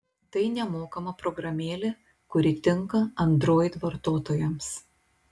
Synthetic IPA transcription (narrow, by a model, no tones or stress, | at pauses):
t̪ɐɪnʲɛmoːkɐmɐpɾɔɡɾɐmʲeːlʲe | kʊɾʲɪt̪ʲɪŋkɐɐnd̪ɾoːjt̪ʋɐɾt̪oːt̪oːjɛms